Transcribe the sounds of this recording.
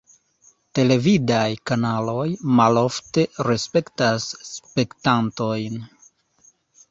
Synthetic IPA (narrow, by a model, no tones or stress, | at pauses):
te̞le̞vidajkanalo̞jmalo̞fte̞ɾe̞spe̞ktasːpe̞ktanto̞jn